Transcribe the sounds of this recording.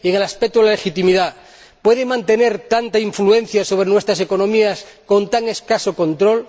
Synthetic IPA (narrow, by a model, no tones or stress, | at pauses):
ieŋelaspek̚t̪oðlalexit̪imiða | pwe̞ðemãnt̪e̞ne̞ɾt̪ant̪aiɱflue̞n̟θjaso̞β̞ɾenwe̞st̪ɾase̞ko̞nõmias | ko̞nt̪aŋe̞skasoko̞nt̪ɾo̞l